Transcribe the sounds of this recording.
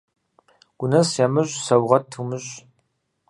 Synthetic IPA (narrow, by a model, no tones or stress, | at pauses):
ɡ̥ʷʊnɐsjamɨɕʼsɐwʁɐtʰumɨɕ